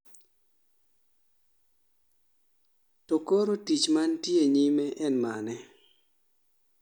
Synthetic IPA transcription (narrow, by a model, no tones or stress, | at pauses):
tokoɾotit͡ʃmantjeɲimɛʔɛnmanɛ